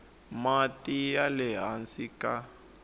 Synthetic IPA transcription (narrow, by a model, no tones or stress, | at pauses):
matijalɛɦansika